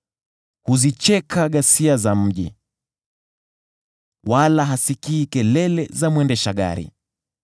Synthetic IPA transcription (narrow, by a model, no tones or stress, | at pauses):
huzit͡ʃɛkʰaɠasiazam̩ʄḭ | walaɦasikiːkɛlɛlɛzamwɛndɛʃaɠa̰ɾḭ